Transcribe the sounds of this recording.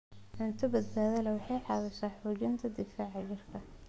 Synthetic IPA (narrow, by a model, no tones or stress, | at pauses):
ʕʊnt̪ʰɐbɐd̪baːðɐlɛwɑħɑjħɑðɐʃaːħuːd͡ʒɪnt̪ʰɐd̪ɪfaːʕɑjɪrkʰɐ